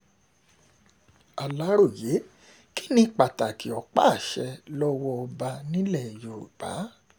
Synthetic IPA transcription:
a˨la˨˦ɾo˦˨je˨˦ | ki̥˦nĩ˦k͡pa˨ta˨ki˨˦ɔ˨˦k͡pa̰˦˨ʃɛ˧lɔ˦wɔ˧ɔ˧ba˧nĩ˦lɛ˦˨jo˨ɾṵ˨k͡pa̰˨˦

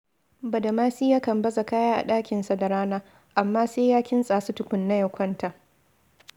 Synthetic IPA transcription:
bɐ˨da˨maː˦siː˦jaː˦kɐ˨mbɐ˦za˨kaː˦jaː˦ʔa̰˨ɗaː˦kʲɪ˨nsa˨da˨ɽaː˦naː˦ | ʔa˨mːaː˦seː˦jaː˦kʲɪ˦nsʼaː˨su˦tʊ˦kʷʊ˨nːa˦jɐ˨kʷɐ˦nta˨

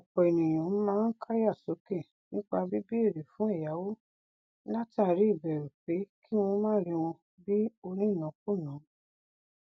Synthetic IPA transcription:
ɔ˨k͡pɔ˨e˨nĩ˨j̃ã˨˦mãː˦n̩˦ka˦ja˦˨so˨˦kɛ̃˦˨ | nĩ˦k͡pa˧bi˦bi˦e˦˨ɾe˨fũ˨˦ɛ˦˨ja˨˦wo˦ | la˦ti˦a˨ɾi˨˦i˦˨bɛ˨ɾu˨k͡pe˨˦kʰi˦w̃ɔ̃˧˦mãː˦ɾi˧w̃ɔ̃˧ | bi˦o˧nĩ˦˨nã˨˦ko˦˨nã˨˦

